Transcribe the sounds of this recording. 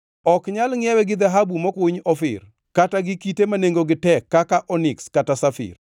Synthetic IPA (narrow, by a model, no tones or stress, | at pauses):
ɔkɲalŋɪɛwɛɡɪd̪aɦabumɔkiɲɔfɪ̰r | kataɡɪkitemaneŋɡoɡɪtɛkːakaʔɔnɪkskatasafɪ̰r